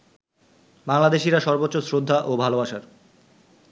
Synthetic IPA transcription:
baŋlad̪eʃiɾaʃɔɾbot̪ːɕosɾod̪ʱːaʔobʱalobaʃaɾ

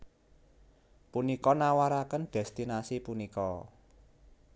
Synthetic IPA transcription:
punikɔnawaɾakənɖ̪̥ɛst̪inasipunikɔ

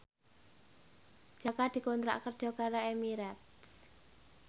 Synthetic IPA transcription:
d̥ʒ̥a̤kad̪̥i̤kɔnt̪ɾa̰ʔkərd̥ʒ̥ɔ̤kaɾaemiɾat̪s

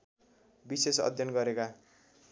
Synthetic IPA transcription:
bisesʌ̰d̪ʱjʌnɡʌɾeka

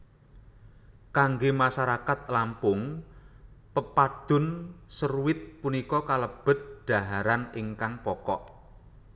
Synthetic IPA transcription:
kaŋɡemasaɾakat̪̚lampʊŋ | pəpad̪̥ʊ̤nsəruwɪt̪̚punikɔkaləb̥ə̤t̪̚d̪̥a̤ɦaɾaniŋkaŋpɔkɔʔ

